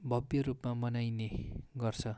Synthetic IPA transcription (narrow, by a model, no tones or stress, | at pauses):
bʱʌbjʌɾupmamʌnajneɡʌrt͡sʰʌ